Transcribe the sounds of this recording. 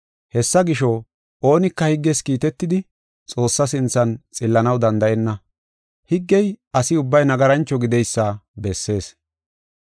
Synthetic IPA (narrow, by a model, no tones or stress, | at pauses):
hɛsːɐɡɪʃɔ | ʔo̞ːnɪkːɐhɪɡːɛskiːt̪ɛt̪ːɪd̪ɪ | t͡sʼo̞ːsːɐs̬ɪnt͡sːɐnt͡sʼɪlːɐnɐwd̪ɐnd̪ɐʔɛnːɐ | hɪɡːɛjɐsɪʊbːɐjnɐɡɐɾɐnt͡ʃːɔɡɪd̪ɛjsːɐbɛsːe̞ːs